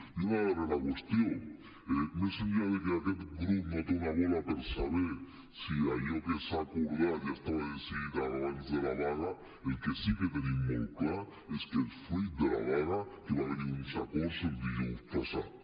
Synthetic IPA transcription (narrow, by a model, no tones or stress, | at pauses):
iβaβaɾelakwest̪joŋ | emesind͡ʒaβekeaket̪ɡɾupmat̪onaβolapeɾsaβeɾ | siajokesakoɾðajast̪aβaðesiiðaɾaβanizðelaβaɣa | elkesiket̪enimolkla | eskelfwid̪ela̰βaɣakeβateniunsakoseld̪ijost̪asa̰